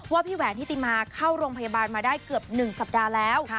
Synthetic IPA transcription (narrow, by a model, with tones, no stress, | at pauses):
waː˥˩pʰiː˥˩wɛː˩˦nt̪ʰiː˥˩t̪iː˧maː˧kʰaː˥˩wɾoː˧ŋpʰa˧jaː˧baː˧nmaː˧daː˥˩jkɯ˨˩əp̚nɯ˨˩ŋsa˨˩p̚daː˧lɛː˦˥wʰ